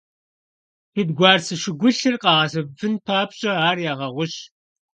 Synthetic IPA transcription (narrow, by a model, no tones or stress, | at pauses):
pɨdɡʷɑːrsɨʃɪɡʷʊɬɨrqɑːʁɐsɨvɨnpʰaːpɕʼɐaːrjaːʁɐʁʷʊɕ